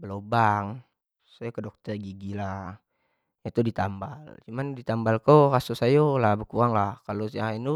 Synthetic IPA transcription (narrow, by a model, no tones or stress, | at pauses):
bəlobaŋ | sajokədɔk̚t̪ərɡiɡila | jat̪udit̪ambalt͡ʃumandit̪ambalkorasusajolahbəkuɾaŋlahkalosjaŋinu